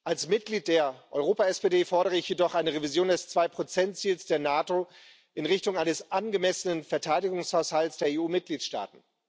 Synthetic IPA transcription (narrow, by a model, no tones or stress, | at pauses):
ʔalsmɪt̚ɡ̥liːt̚d̥eːɐʔɔʏʁoːpaɛspedeːfɔɐɾəʁəɪçjedɔχʔaɪnəʁevizjoːndɛst͡sv̥aɪpʁ̥ot͡sɛntt͡siːlsd̥eːɐnaːto | ʔɪnʁɪçtʊŋaɪnəsʔanɡəmɛsənənfɛɐtʰaɪdɪɡʊŋshaʊshaltsd̥eːɐeːuːmɪt̚ɡ̥liːtʃta̰ːtn̩